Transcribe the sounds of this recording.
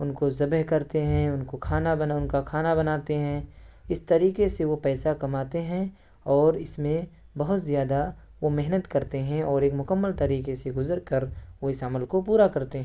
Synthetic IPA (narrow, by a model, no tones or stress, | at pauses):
ʊnkozɐbəɦkɐɾt̪eɦɛ̃ʊnkokʰaːnabɐnʊnkakʰaːnabɐnaːt̪eɦɛ̃ɪst̪ɐɾiːkeseʋopɛːsakɐmaːt̪eɦɛ̃ | ɔːɾɪsmẽ | bɐɦʊt̪zijaːd̪a | ʋomɛɦnət̪kɐɾt̪eɦɛ̃ɔːɾeːkmʊkəmːəlt̪ɐɾiːkeseɡʊzəɾkɐɾʋoɪsaməlkopuːɾakɐɾt̪eɦɛ̃